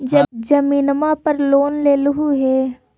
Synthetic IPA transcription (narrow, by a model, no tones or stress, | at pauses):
d͡ʒɐd͡ʒɐmiːnmãːpɐɾloːnleːlʊɦuɦɛː